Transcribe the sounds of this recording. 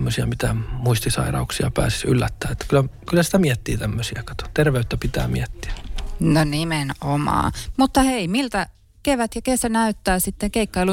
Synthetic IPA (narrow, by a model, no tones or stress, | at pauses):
mːøsiɑmit̪æmuist̪isɑ̰irɑ̰uksiɑpæ̰ːsi̥sy̰lːæt̪ːæːet̪ːkylːækylːˑæsi̥t̪æmiɛt̪ːiːt̪æmːøsiɑkɑt̪o̥t̪erʋeyt̪ːæpit̪æ̰ːmḭɛt̪ːi̥æ̥nonimenomɑ̰ːmut̪ːɑheimilt̪æ | keʋæt̪jɑkesænæyt̪ːæːsit̪ːeŋkeikːɑilu